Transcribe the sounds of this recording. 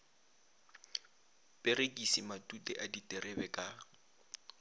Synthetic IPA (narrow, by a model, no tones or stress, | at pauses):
pʼerekʼisimatʼutʼɛʔaditʼɛrɛbɛkʼa